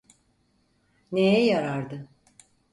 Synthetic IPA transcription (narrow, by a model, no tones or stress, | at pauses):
nejɛjaɾaɾd̪ɯ